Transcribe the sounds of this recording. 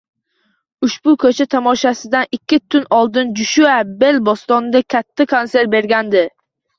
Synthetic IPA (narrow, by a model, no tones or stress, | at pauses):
ʊʃbʊkʲʰɵt͡ʃʰat̪ʰamɒʃasɪd̪anɪkʲʰːɪt̪ʰʊnɒlˠd̪ɪnd͡ʒʊʃuabe̞lbost̪ɒnɪd̪akʲʰat̪ʰːakʰonse̞ɾbe̞ɾɡʲand̪ɪ